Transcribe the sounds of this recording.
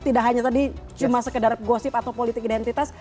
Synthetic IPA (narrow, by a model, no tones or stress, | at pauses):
t̪idakɦaɲat̪adit͡ʃumasəkədarɡosɪpat̪awpolit̪ɪkidɛnt̪it̪as